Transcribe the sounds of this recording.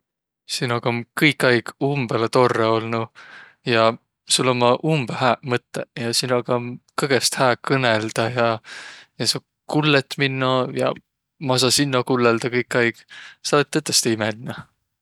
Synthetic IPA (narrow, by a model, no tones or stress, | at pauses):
sinoɡ̥ɑmkɤjkːˑɑjɡ̥umb̥elet̪o̞rːeo̞lnu | jɑ | sulːomːɑʔumb̥ehæːmɤt̪ːejɑsinoɡɑkɤɡ̥est̪hæːkɤneld̪̥ɑjɑjɑsu | kulːet̪ːminːɑjɑ̰ | mɑs̬ɑsinːɑkulːeld̪̥ɑkɤjkːˑɑjɡ̥sɑlet̪ːet̪ːˑest̪imelnɑ